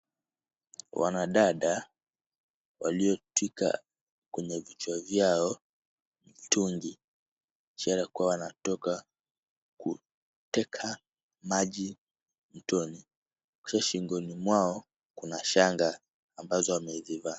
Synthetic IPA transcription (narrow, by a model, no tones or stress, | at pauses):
wa̰naɗaɗa | wa̰liɔtwika̰ | kwɛɲɛvit͡ʃwavjaɔ | mtuŋɡi | t͡ʃaɾakuwawanatɔka | kṵ | tɛkʰa | maʄi | m̩tɔni | ki̥ʃaʃiŋɡɔnimwaɔ | kunaʃaŋɡaː | mbazɔwamɛziva